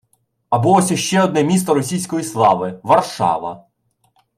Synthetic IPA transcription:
ɐbulˠɔsʲɐʃt͡ʃɛɔd̪nɛmʲist̪ɔɾɔsʲijsʲkɔjislˠɑʋɪʋɐrʃɑ̰ʋɐ̰

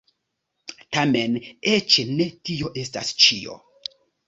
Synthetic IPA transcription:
tame̞net͡ʃne̞tio̞ʔe̞sta̰st͡ʃio̞̰

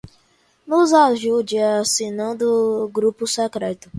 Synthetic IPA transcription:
nuzaʒud͡ʒiasinɐ̃d̪ʊɡɾupʊsɛkɾɛt̪ʊ

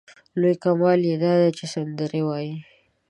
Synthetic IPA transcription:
lojkamwɑljed̪ɑd̪at͡ʃesand̪əɾewɑji

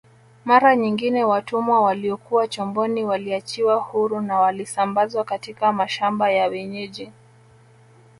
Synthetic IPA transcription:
maɾaɲiŋɡinɛwatumwawaliɔkuwat͡ʃɔmbɔniwaliat͡ʃiwahuɾunawalisambazwakatikamaʃambajawɛɲɛʄɛ

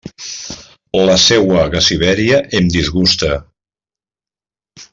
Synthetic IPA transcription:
ləsɛwəɣasiβɛɾiəʔemd̪izɣust̪ə

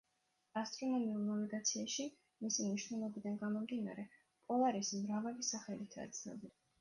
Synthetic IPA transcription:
ast̪ʼɾɔnɔmiuɾnavɛɡat̪sʰiaʃi | misimniʃnɛlˠɔbid̪anɡamɔmd̪ina̰ɾɛ | pʼɔaɾismɾavɛvisaχɛlit̪ʰa̰t̪sʰlɛ̰bi

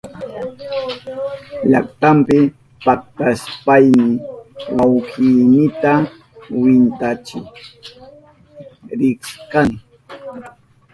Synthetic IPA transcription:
ʎa̰kt̪ampɪ | pak̚t̪aspajmɪwawkiːnɪt̪a | wɪnt̪at͡ʃʊ | ɾɪkskaŋ

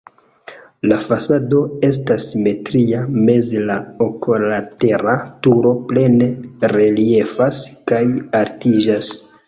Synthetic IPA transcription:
lafasado̞e̞s̬tasme̞tɾiame̞zlaokolate̞ɾatuɾo̞ple̞ne̞ɾe̞lie̞faskajaɾtiʒas

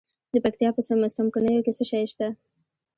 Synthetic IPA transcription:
d̪əpak̚t̪ijɑpəsamsamkunəjokesəʃɑjʃt̪a

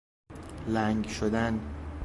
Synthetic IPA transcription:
læŋɡʃod̪æn

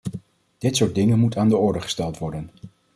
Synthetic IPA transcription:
d̥ɪtsʊːɹt̚dɪŋənmutaːndəɔɹdəχə̥stɛlˠtʋɔɹdən

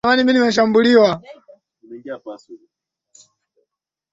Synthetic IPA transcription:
maniminimɛʃ̬ambuliwa

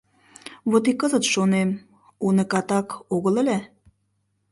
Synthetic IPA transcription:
βot̪ikːəzət̪ʃonem | unəkɑt̪ɑkoɣələ̆lʲæ

